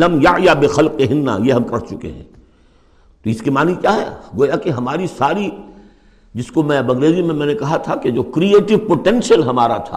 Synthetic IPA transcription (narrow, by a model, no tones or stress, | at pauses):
lɐmjaʕjabɪxɐlqeɦɪnːa̰jeɦɐmkɐɾt͡ʃʊkḛɦɛ̰̃ː | t̪oɪskimaːnikjaːɦɛ̰ːɡoːjakeɦɐmaːɾisaːɾi | d͡ʒɪskomɛ̃ːbɐɡɾeːdimẽmɛ̃ːnekɐɦat̪ʰaked͡ʒoːkɾieːʈɪʋpoʈɛ̃nsiəlɦɐmaːɾat̪ʰa̰ː